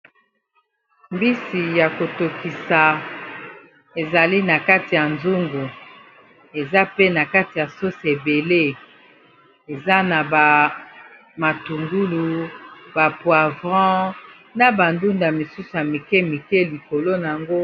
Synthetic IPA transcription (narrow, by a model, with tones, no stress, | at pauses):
mbi˦si˨ja˨ko˨to˨ki˨sa˨ | e˨za˨li˦na˨ka˦ti˨ja˨nzu˦ŋɡu˨ | e˨za˦pe˦na˨ka˦ti˨ja˨so˦se˨be˨le˦ | e˨za˦na˨ba˨ | ma˨tu˨ŋɡu˦lu˨ba˨pwa˨vʁɑ̃˦ | na˨ba˨ndu˦nda˨mi˨su˦su˨ja˨mi˨kɛ˦mi˨kɛ˦li˨ko˨lo˦na˨a˨ŋɡo˦